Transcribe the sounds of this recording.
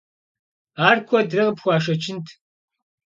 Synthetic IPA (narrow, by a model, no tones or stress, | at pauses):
aːrkʷʰɔdrɨʁəpxʷaːʂ̬ɐt͡ʃʰɪntʰ